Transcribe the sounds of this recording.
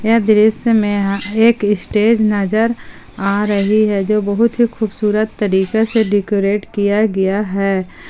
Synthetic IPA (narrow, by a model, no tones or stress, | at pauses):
jɛd̪ɪɾɪsmẽeːkɪsʈeːd͡ʒnɐd͡ʒəɾ | aːɾɐɦiɦɛd͡ʒoːbɐɦʊt̪ɦixuːbsuːɾət̪ːɐɾiːkeseɖɪkoːɾeːʈkijaɡɐjaɦɛː